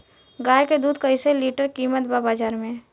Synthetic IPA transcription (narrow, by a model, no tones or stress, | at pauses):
ɡaːjked̪uːd̪kəɪseliːʈəɾkiːmət̪babaːd͡ʒaːɾmẽ